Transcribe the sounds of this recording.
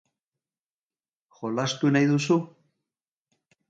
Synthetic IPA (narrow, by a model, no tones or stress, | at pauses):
xolast̪unajðusu